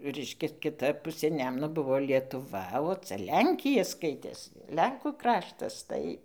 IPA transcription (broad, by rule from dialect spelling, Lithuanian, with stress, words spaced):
ˈrʲɛɪʃʲkʲɛs kʲɪˈtɐ ˈpʊsʲeː ˈnʲæːmʊnoː ˈbʊʋoː lʲiɛtʊˈʋɐ oː ˈt͡sʲɛ ˈlʲɛŋʲkʲɪjɛ ˈskɐɪtʲeːs ˈlʲɛŋkuː ˈkrɑːʃtɐs ˈtɐɪ